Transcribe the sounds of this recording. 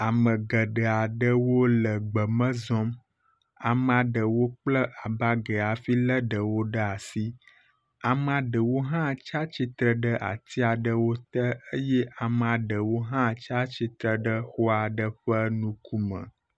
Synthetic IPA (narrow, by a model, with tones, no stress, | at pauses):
a˨mə̃˨ɡə˨ɖə˨a˨ɖə˦wo˦lə˨ɡ͡bə˨mə̃˦zɔ̃˦m | a˨m˦a˨ɖə˨wo˦k͡plə˦ʔa˨ba˦ɡe˨a˨fi˦lə˦ɖə˨wo˦ɖə˦a˨si˦ | a˨m˨a˨ɖə˨wo˦ɦã˦t͡ʃa˦t͡ʃi˦t̪ɾə˨ɖə˦ʔa̰˨t̪i˦a˨ɖə˦wo˦t̪ə˦ə˦jɛ˦ʔa˨m˨a˨ɖə˨wo˦ɦã˦t͡ʃa˦t͡ɕi˦t̪ɾə˨ɖə˦xɔ˦a˨ɖə˦ɸə˦nũ˦ku˦mə̰̃˨